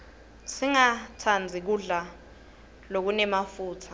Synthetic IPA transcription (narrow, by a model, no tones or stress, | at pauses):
tʰiŋatʰand͡zʱik̬uɮa | lok̬unɛmafuːtʰḁ